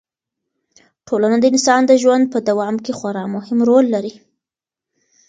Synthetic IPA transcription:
ʈʰolanəd̪əɪnsɑnd̪əʒwand̪̚pəd̪awɑmkexwaɾɑmʊhɪmɾolːaɾi

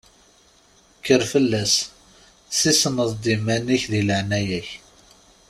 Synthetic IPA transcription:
kːəɾfəlːæs | θisnəðˤd̪imæniçðiləʕnæjæç

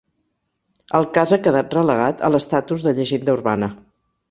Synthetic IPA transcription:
əlˠkazakəðat̪̚rələɣ̞at̪ə̰lˠəst̪at̪uzðəʎəʒend̪əuɾβanə

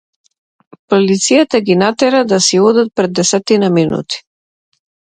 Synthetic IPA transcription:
pɔlit̪sijat̪aɡinat̪ɛɾad̪asiɔd̪at̪̚pɾɛd̪ːɛsɛt̪inaminṵt̪i̥

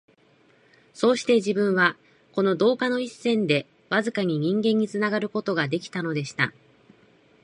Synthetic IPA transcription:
so̞ːɕi̥t̪e̞ʑibɯ̟̃ɰ̃βa | ko̞no̞d̪o̞ːkano̞isːẽ̞nd̪e̞ | βazɨkaɲ̟iɲ̟ĩŋɡẽ̞ɲ̟ːit͡sɨnaɡaɾɯ̟ko̞t̪o̞ɡad̪e̞kʲi̥t̪ano̞d̪e̞ɕi̥t̪a

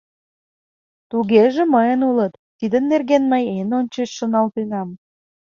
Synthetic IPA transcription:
t̪uɣeʒĕməjənulət̪ːid̪ənːerɣenməjenonʲt͡ɕət͡ɕʃonɑlt̪enɑm

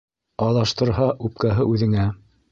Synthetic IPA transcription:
ɑlˠɑʃt̪ɤ̆ɾɦɑʔʉp̚kæɦɤʔʉðɘ̆ŋæ

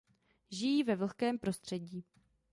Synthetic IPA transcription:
ʒɪjiːvɛvl̩xkɛːmpɾo̞st̪r̝̥ɛɟiː

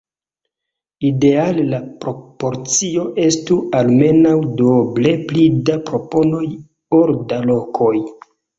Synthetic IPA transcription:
ide̞alelapɾo̞po̞ɾt͡sio̞ʔe̞stualme̞nawdoble̞plidapɾo̞po̞no̞j | o̞ɾdalo̞kʰo̞j

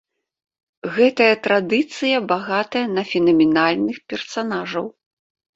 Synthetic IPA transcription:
ɣɛt̪ɐjɐt̪ɾad̪ɨt̪sɨjɐbaɣat̪ɐjɐnɐfʲɛnɐmʲɛnalʲnɨxpʲɛrsanaʐɐw

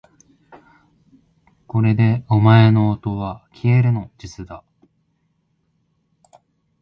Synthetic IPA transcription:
ko̞ɾe̞d̪e̞omae̞no̞ːt̪o̞βakʲʰie̞ɾɯ̟no̞d͡ʑit͡sɨd̪a

